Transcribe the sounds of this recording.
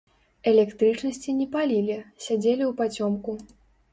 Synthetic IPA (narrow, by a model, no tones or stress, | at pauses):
ɛlʲɛkt̪ɾɨt͡ʂnɐsʲt͡sʲinʲɛpalʲilʲisʲad͡zʲelʲiupat͡sʲɔmku